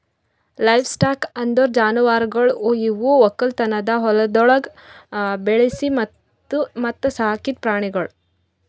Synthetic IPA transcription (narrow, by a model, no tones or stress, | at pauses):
lɐjʋsʈaːkɐnd̪oɾd͡ʒaːnuʋaːɾɡɐɭojiʋuɔkːɐlt̪ɐnɐd̪ɐɦɔlɐd̪ɔɭɐɡ | beɭisimɐt̪ː | umɐt̪ːɐsaɦɐkit̪̚pɾaːɳiɡɐɭ